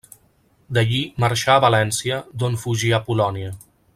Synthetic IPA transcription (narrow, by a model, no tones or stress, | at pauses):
d̪əʎiməɾʃaːβəlɛnsiəd̪onfuʒiəpulɔniə